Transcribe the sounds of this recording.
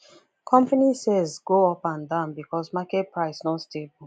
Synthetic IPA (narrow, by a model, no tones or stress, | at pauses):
kʰɔ̃mpanisɛzɡoɔpãndãʊ̃nbikʰɔsmakɛt̚pʰɹaɪsnɔtstebul